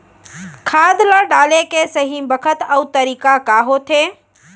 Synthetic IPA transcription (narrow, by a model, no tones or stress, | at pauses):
kʰaːd̪ləɖaːlekesəɦibəkʰət̪əʊt̪əɾiːkakaːɦot̪ʰeː